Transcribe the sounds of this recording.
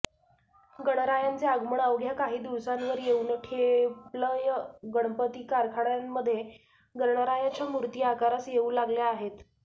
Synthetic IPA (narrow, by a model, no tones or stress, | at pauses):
ɡəɽ̃ɾajant͡seəɡməɳəʋɡʱjakaɦiːd̪iʋsanʋəɾjeunəʈʰepləjəɡəɳ̃pət̪iːkaɾkʰaɽjamːəd̪ʱːje | ɡəɾɳəɾajat͡ɕjamuɾt̪iakaɾasjeuːlaɡljaːɦet̪